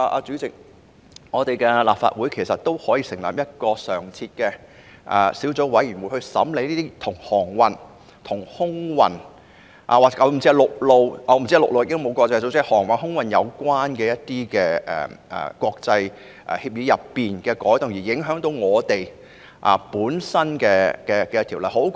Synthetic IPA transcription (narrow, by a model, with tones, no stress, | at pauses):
a˧ʔa̰ː˧t͡ʃy˨˥t͡sɪ˨k̚ | ŋɔː˨˧t̪e˨jkɛː˧la̰ː˨p̚fa̰ː˧t̚wu˨˥jkʰe˨˩jsɐ˨t̚t̪o˥whɔː˨˥jiː˧sɪ˨˩ŋla̰ː˨˩p̚jɐ˥t̚kɔː˧sœː˨˩ŋt͡sʰiː˧t̚kɛ˧ | ʔɛ̰˨siː˨˥wt͡so˨˥wwɐ˨˥jɥy˨˩nwu˨˧˥hɵ˧sɐ̰˨˥mle˨˧˥jliː˥t̪iː˥t̪ʰʊ˨˩ŋhɔː˨˩ŋwɐ˨˧n | t̪ʰʊ˨˩ŋhʊ˥ŋwɐ̰˨n | ʔa̰ː˨waː˨a˨˧m̩˨˩t͡siː˥˧lʊ˨k̚lo˨˧wʔɔ˨˥˧m˨˩t͡si˥lʊ˨k̚lo˧wjɪ˨km˨˧wkɔː˧t͡sjso˧˥t͡sːhɔː˨˩ŋwɐ˨nhʊ˥ŋwɐ˨njɐ˨˧wkʷwaː˥nkɛː˧jɐ˥t̚t̪iː˥kɛː˧ɛ̰ː˨˩ʔɛ̰˨kʷɔː˧k̚t͡sɐ˧j | ʔɛ̰˨hiː˧p̚jiː˨˧jɐ˨pːiː˨nkɛː˧kɔː˨˥jt̪ʊ˨ŋjiː˨˩jɪ˨˥ŋɦœː˨˥ŋt̪o˨˥wŋɔː˨˧t̪e˨˩j | ʔa̰ː˨˩puː˨˥nsɐ˥nkɛː˧kɛː˧kɛː˧t̪ʰiː˨˩wlɐ˨jho˨˥w